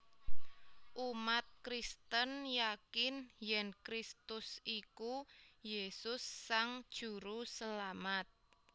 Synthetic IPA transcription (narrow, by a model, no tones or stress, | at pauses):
ʔumat̪̚kɾist̪ənjakɪnjɛnkɾist̪ʊsʔikujesʊsːaŋd̥ʒ̥ṳɾusəlamat̪̚